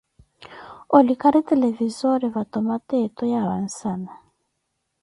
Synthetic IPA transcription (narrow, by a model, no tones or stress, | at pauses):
olikaɾitɛlɛvizɔɾivatɔmatɛtɔjaβa̰n̩sana